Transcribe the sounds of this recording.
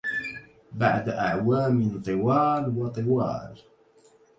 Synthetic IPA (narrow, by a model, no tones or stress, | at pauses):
baʕd̪ʔaʕwaːmɪnt̪ˤɨwɑːlwɑt̪ˤɨwɑ̰ːɾˤ